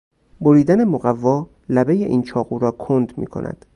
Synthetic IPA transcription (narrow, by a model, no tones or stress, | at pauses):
boɾiːd̪æne̞moɣævːɒː | læbejeʔiːnt͡ʃʰɒːɣuːɾɒːkʰond̪mḭːkʰo̰nʔæ̰d̪̥